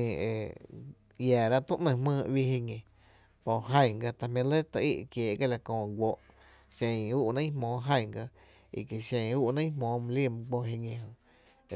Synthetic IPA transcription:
ḛ˨ | jaː˨ɾa˦ʔt̪ũ˦ʔnə̃˧mə̃ː˧ʔwi˧hi˧ŋẽ˨ | po˨ɦã˧˨ɡa˧t̪a˧mã˧le˦t̪a˧ʔi˦˧ʔkjeː˨ɡe˦˨la˧˨kõː˧˨ɡʷo˧˨ʔ | ʃẽ˧˨uː˦ʔnə̃˦hmõː˨˦ɦã˧˨ɡa˧ | ḭ˨ke˨ʃẽ˧˨˧uː˦˧ʔnə̃˦hmõː˨˦m̃˧li˦˨m̃˧k͡po˧ɦe˧ŋẽ˧hõ˧

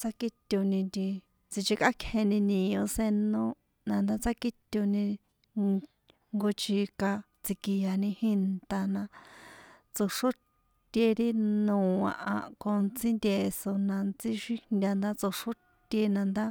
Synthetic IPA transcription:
t͡sa˦ki˦t̪ʲu˧nĩ˧d̪i˧ | t͡si˧t͡ʃi˧ka˦kʰhẽ˧nĩ˧nĩ˨õ˧se˧nõ˦ | nã˧nd̪a˦t͡sa˦ki˦t̪ʲu˧nĩ˧ | ŋɡo˧t͡ʃi˧ka˧ | t͡si˧ki˧ja˧nĩ˧hĩ˦nt̪a˧nã˧ | t͡so˧ʂo˦ | t̪ʲe˧ɾi˦nũ˨ã̰˧ʔã̰˧ko˧nt͡si˦nd̪ʲe˧so˧nã˧nt͡si˦ʃi˦nd̪ʲa˧nd̪a˦t͡so˧ʂo˦ | t̪ʲe˧nã˧nd̪a˦

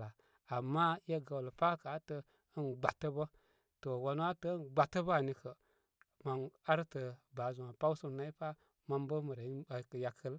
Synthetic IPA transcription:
a˨ | a˨mːa˦je˦ɡa˨wlə˨pa˦ka˨˦tə˦ | ə˦nɡ͡ba˨tːə˦bə˦ | to˨wa˨n˦wa˦tə˦nɡ͡ba˨tːə˦bə˦a˨ni˨kə˨ | ma˨na˦ɾtə˨ba˨˦zu˨ŋa˨pa˦u˦su˦˨na˦i˦pa˦ | ma˦mbə˦mə˨ɾe˨˦˨ja˨kʰə˦l

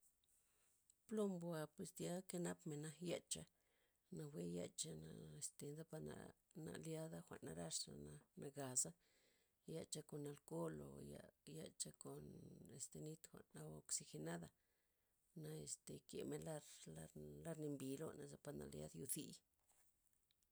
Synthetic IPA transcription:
plo˦mbwa˧pwe˧˨sd̪ja˦ke˦na˦pme˨na˧ja˧t͡ʃa˧ | na˧wʷe˦ja̰˧t͡ʃa˧na̰˧e˨st̪e˨nza˦pa˧na̰˨ | na̰˧lja˦d̪a˦xʷa̰˨ʔnːa˧ɾa˦˧ʂa̰˨na˧na˧ɡa˨za˦ | ja˧t͡ʃa˧ko˨nːa˧lko˦lo̰˨ja˧ja˧t͡ʃa˧ko˨ne˨st̪e˨˧ni˦t̪xʷa̰˨na˧o˧ksi˧xe˧na˦d̪a˧ | na˧e˧st̪e˨kḛ˨me˧nla˦ɾla˧la˦ɾni˧mbi˨lo̰˦na˨za˧pa˧na̰˨lja̰˦d̪ju˧θi˧

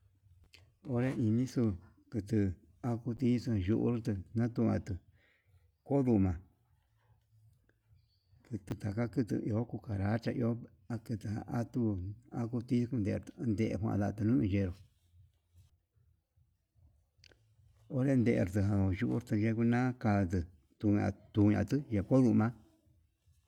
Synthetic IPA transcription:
o˧ɾe˦ʔĩ˧nĩ˦su˧ | kɨ˧t̪ɨ˧ | a˧ku˧t̪i˦su˧ã˧˨ʒu˧ʔṵ˦ɾt̪ɨ˧nã˦t̪u˧ã̰˧t̪ɨ˧ | ko˦ðu˧mã˨ | kɨ˧t̪ɨ˧t̪a˨ka˦kɨ˧t̪ɨ̰˧˨ʔi˧o˦ku˧ka˨ɾa˨˦t͡ʃa˧ʔi˧o˦ | a˧kɨ˧t̪ɨ˧hã̰˧ʔa˦t̪u˧a˦ku˧t̪i˦ku˧nd̪e˧˨ɾt̪ɨ̥˧nd̪e˧ʔḛ˧kʷã̰˧˨ða˧t̪ɨ˧nũ˦ĩ˧ʒe˧ɾo˨ | o˦ɾe˦˧nd̪e˧˨ḛ˧˨ɾt̪ɨ˧ɦã˧o˧˨ʒu˧ʔṵ˦ɾt̪ɨ˧ʒe˧ku˧nã˦ka˧t̪̬ɨ˧ | t̪u˧ɲã̰˧t̪u˧ɲã̰˧t̪ɨ˦je˧ko˦ðu˧mã˦

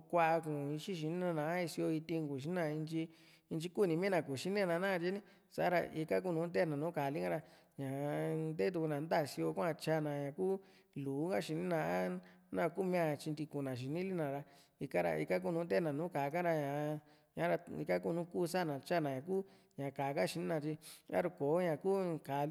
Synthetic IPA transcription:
kʷa˦˧kũ˨i˧ʃi˦ʃ̬i˨nĩ˦nã˧nã˨˦i˧si˧o˧i˧t̪i˧ŋku˨ʃi˨˧˦nã˧i˧nt͡ʃi˧ | i˧nt͡ʃi˧ku˦˨nĩ˧mĩ˦nã˨ku˨ʃi˦nẽ˦˧nã˧nãː˦˧t͡ʃi˧˦nĩ˦ | sa̰˨˦ɾa̰˧ḭ˧ka˦k̬u˦nũː˨˦t̪d̪e˦˨nã˨nũː˨˦ka˨li˦kã˦˧ɾa˧ | ɲã˨˧nd̪e˦t̪u˧ku˧nã˨nd̪a˦˨si˧o˧kʷã˧t͡ʃa˧˨nã˨ɲã˨kuː˦ | luː˨˦ŋɡa˦ʃi˨˧nĩ˦nã˧a˦nã˦˧kuː˦˧mĩ˧˦ã˧t͡ʃi˧nd̪i˧ku˨nã˨ʃ̬i˨nĩ˦li˦nã˨ɾa˧ | i˧ka˦ɾa̰˧ʔḭ˧ka˦k̬u˦˧nũː˧˦d̪e˦nã˨nũː˨˦kaː˨˧ka˦ɾa˧ɲã˨˧ | ɲã˨˦ɾa˧ḭ˧ka˦ku˦˧nũ˦kuː˦˨˧sa˦˨nã˨t͡ʃa˦˨nã˨ɲã˨kuː˦ | ɲã˨kaː˨˦ka˦ʃi˧nĩ˦nã˧t͡ʃi˧a̰˦ɾu˧ko˨˦ɲã˨kuː˦˨ka˨

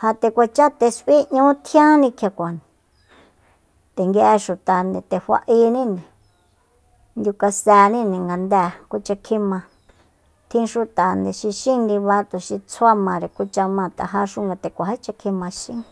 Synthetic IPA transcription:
ha˧t̪e˧kʷa˧t͡ʃa˦t̪e˧sʔi˦ɲũ˦t̪ʰjã˦nĩ˧kʰa˧kʷa˨n˨ | t̪e˨ŋɡe˧ʔe˧ʃu˨t̪a˨nd̪e˨t̪e˨ɸʷa̰˧ʔi˧nĩ˦nĩ˨ | nd̪ʲu˧ka˧sɛ˧nĩ˦˧nĩ˨ŋɡa˧nd̪ɛː˧˨ku˧t͡ʃa˧kʰĩ˧mã˧ | t̪ʰĩ˦ʃu˧t̪a˨nd̪e˨ʃi˧ʃĩ˦nɾĩ˧βa˧t̪u˧ʃi˧t͡sʰo˦a˦mã˧ɾe˨ku˧t͡ʃa˧mã˧˨t̪a̰˨ɦa˧ʂu˦ŋɡa˧t̪e˨kʷa˨ha˦t͡ʃa˧kʰĩ˧mã˧ʃĩ˦

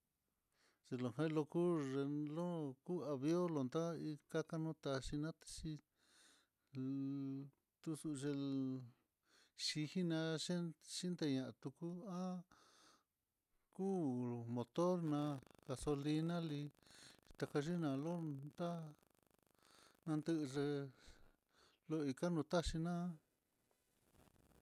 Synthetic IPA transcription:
ʐ̥e˧lo˨ɦã˦˧lo˧ku˦ʐe˧lo˦ku˦a˧βjo˦lo˧nd̪a˦i˧ka˦ka˦nũː˦t̪a˧ʂi˧nã˦t̪ḁ˧ʂi˧ | t̪u˧su˧ʐe˧ | ʂi˧hi˦nã˧ʂe˦ʂi˦nd̪e˧ɲã˧˨ʔa˧t̪u˧ku˦ã˦ | kuː˦mõ˨t̪o˦ɾnã˧ɣa˧so˧li˧nã˦li˧t̪a˧ka˧ʒi˦nã˧lo˦nd̪a˦ | nã˧nd̪ɨ˦ʔʐe˧ | lo˦i˧ka˦nũ˧t̪a˦ʃi˧nã˦

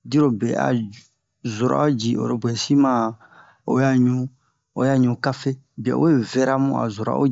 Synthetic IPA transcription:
di˦ɾo˨bɛ˨a̰˨ | zo˨ɾa̰˦o˦d͡ʒi˨ʔo̰˨ɾo˨bwɛ˨si˦mã˦ | o˨˦ja˦˨ɲũ˨ | o˨ja˦ɲũ˨ka˦fe˦ | bi˨ɛ̰˨˦e˦vɛ˦ɾa˦mũ˦a̰˨zo˨ɾa̰˨˦o̰˦

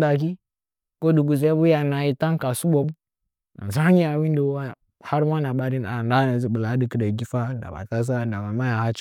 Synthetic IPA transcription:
da˨k̬i˦ | ko˦du˨ɡu˨ze˦bu˦ja˨na˨ji˨ta˦ŋ˦ka˨su˦ɓo˨bu˦ | na̰˨za˦ɲi˦a˨wi˦n˦do˨˦wa˦˨ | ha˦ɾma˦na˨ɓa˦ɾi˦n˨a˨nda˦na˨zi˨ɓə˨la˨˦di˨kə˨da˨ɡi˦fa˦n˨da̰˨ba̰˨ta˦s̬a˦˨nda˨ba˨ma˦ja˨ha˦t͡ʃ

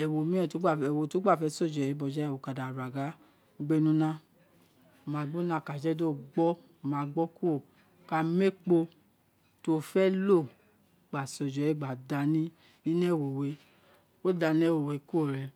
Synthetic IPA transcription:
ɛ˨wo˨mĩ˦ã˨to˨˦ɡ͡ba˦˨ɛ˨wo˧˨to˨˦ɡ͡ba˦˨fɛ˨˦sɔ˦˨d͡ʒɔ˨jɛ˨˦bɔ˧˨d͡ʒɛ˦˨wo˨ka˨da˨ɾa˨ɡa˨˦ | ɡ͡be˦nũ˦nã˦ | o˨mã˨˧˦ɡ͡bo˦nã˦˨ka˨d͡ʒɛ˦do˦ɡ͡bɔ˦ | o˨mãː˨˧ɡ͡bɔ˦ku˦o˦˨ | ka˧me˦k͡po˧ | to˨˧˦fɛ˦lo˦˨ | ɡ͡ba˨sɔ˨d͡ʒɔ˨jɛ˦˨ɡ͡ba˨da˨nĩ˦ | nĩ˦n˦ɛ˦˨wo˨we˨˧˦ | o˦da˧nĩ˦ɛ˦˨wo˨we˨ku˦o˦˨ɾɛ˨˧

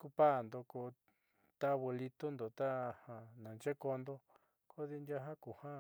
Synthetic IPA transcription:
ku˧pa˦˨nd̪o˧ko˧ | t̪a˦βe˧li˧t̪u˦nd̪o˨t̪a˦hã˧nã˨nt͡ʃe˦ko˧nd̪o˦ | ko˦ði˧ndja˦ɦã˦ku˨hã˦

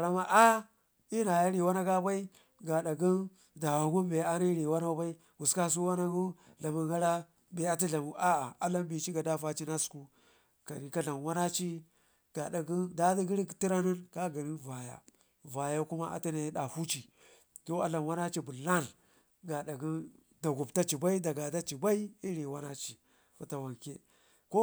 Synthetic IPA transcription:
a˨ɾa˦ma˦ʔa˦ | i˦na˨ja˦ɾi˨wa˦na˦ɡa˦ba˦i˦ | ɡa˨ɗa˨ɡi˦n | da˨wa˨ɡu˦m˦be˨a˦na˦ɾi˨wa˦na˦ba˦i˦ | wu˨ska˦s̬u˦wa˦na˦ɡu˦ | ɮa˨mu˨ɡa˦ɾa˦ | be˨a˦t̬i˦ɮa˨mu˨ʔa˦a˨a˦la˦nbi˨t͡ʃi˦ɡa˨da˦fa˦t͡ʃi˦na˦sku˦ | ka̰˨ni˨ka˦ɮa˨nwa˦na˦t͡ʃi˦ | ɡ̥a˨ɗa˨ɡu˦da˦di˦ɡi˦ɾi˦kti˦ɾa˦ni˦nka˦ɡa˨ni˦va˨ja̰˨ | va˨ja˦ku˦ma˦ʔa̰˨ti˦na˨˦ɗa˨hu˦t͡ʃi˨ | to˦a˦la˨nwa˦na˦t͡ʃi˨bu˨la˦˨n | ɡa˨ɗa˨ɡi˦ | da˨ɡu˨bta˦t͡ʃi˨ba˦i˦da˨ɡa˨da˦t͡ʃi˨ba˦i˦i˦ɾi˨wa˦na˦t͡ʃi˨ | fa˨ta˨wa˨ŋke˦ | ko˦

